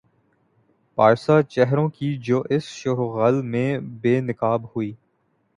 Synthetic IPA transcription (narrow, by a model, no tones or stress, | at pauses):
paːɾsaːt͡ʃɛɦɾõːkid͡ʒoːʔɪsʃʊɦɣəlmẽːbeːnɪkaːbhʊiː